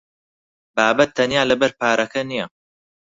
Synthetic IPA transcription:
baːbɐt̪ʰːɐnjaːlɐbɐɾpaːɾʔɐkʰɐnijɐ

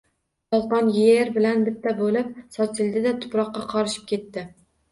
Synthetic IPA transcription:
jɒzʁɑnjeɾbɪlanbɪt̪ʰːabolɪp̚sɒt͡ʃ̪ʰɪld̪ɪd̪at̪ʰʊ̥pɾɒqːɑqʰɒɾɪʃɪ̥p̚kʲʰe̞t̪ːɪ

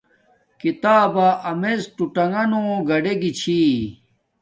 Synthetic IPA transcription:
kit̪aːbaʔɐmezʈuʈɐŋɡɐnõɡɐɖeɡit͡ɕʰi

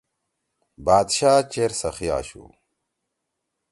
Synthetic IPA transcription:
baːd̪ɕaːt͡ɕeːɾsɐxija̰ːɕṵ

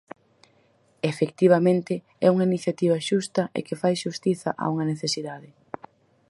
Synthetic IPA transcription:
efekt̪iβ̞ɐmẽnt̪ɪ | ɛuŋɐiniθjat̪iβ̞ɐʃust̪ɐʔḛkɪfajʃust̪iθɐ̰ʔa̰uŋɐneθesiðaðɪ

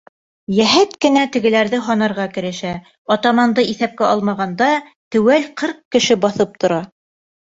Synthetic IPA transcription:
jæɦæt̪kɘ̆næt̪ɘ̆ɡɘ̆læɾðɘɦɑnɑɾʁɑkɘ̆ɾɘ̆ʃæ | ɒt̪ɑmɑnd̪ɤiθæp̚kæɑlˠmɑʁɑnd̪ɑ | t̪ɘ̆wælqʰɤɾqkːɘ̆ʃɘbɑθɤp̚t̪ŏɾɑ

